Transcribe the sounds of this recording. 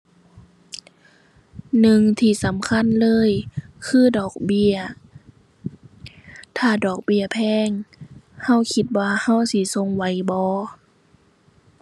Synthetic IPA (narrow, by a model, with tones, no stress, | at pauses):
nɯ˨˧ŋt̪ʰiː˧˩˨sa˨˦mkʰa˧˥˨nlɤː˧˥˨jkʰɯː˧˥˩dɔː˨˩k̚bi˧ɐ | t̪ʰaː˧˩dɔː˨˩k̚bi˧˩ɐpʰɛː˧˩˨ŋha˧˥˩wkʰi˧˦t̪̚waː˧ha˧˥˨wsi˧˦so˧˨ŋwa˨˦jbɔː˧˦